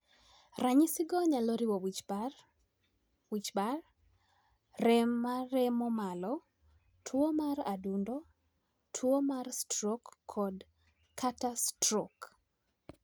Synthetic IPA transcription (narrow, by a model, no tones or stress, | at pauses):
raɲɪsɪɡɔɲalɔɾiwowi | wit͡ʃbar | rɛmːaɾɛmɔmalɔ | tʰwomaɾadundo | tʰwomarstrokʰːɔd | kʰatastrok